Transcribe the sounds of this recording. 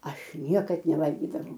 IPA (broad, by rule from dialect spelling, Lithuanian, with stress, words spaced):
ˈɐʃ ˈnʲiɛkɐt nʲɛˈʋɐlʲɡʲiːdɐʋɐʊ